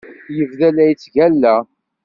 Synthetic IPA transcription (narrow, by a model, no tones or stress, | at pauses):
jəvðælæjt͡sːʝælːæ